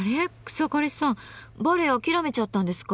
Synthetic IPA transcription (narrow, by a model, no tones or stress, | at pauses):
ɾeɯ̥sokoɾisãboɾeokʲiɾome̞t͡ɕat̪ːãnd̪e̞sɨ̥ka